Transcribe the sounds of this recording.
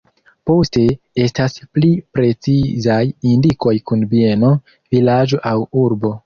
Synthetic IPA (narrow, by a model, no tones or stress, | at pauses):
po̞ste̞ | e̞stasplipɾe̞t͡sizajindiko̞jkunbie̞no̞ | vilad͡ʒo̞ʔawuɾbo̞